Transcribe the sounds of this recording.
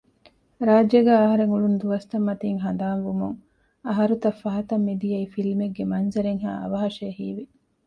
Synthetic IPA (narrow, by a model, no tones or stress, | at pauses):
ɾaːd͡ʒeɡæːɐɦɐɾeŋuɭund̪uʋɐst̪ɐmːɐt̪iːŋɦɐnd̪aːnʋumuŋ | ɐɦɐɾut̪ɐfːɐɦɐt̪ɐmːed̪ijɐifilmeɡːemɐnzɐɾeŋɦa̰ːʔɐ̰ʋɐɦɐʃeːɦiːʋi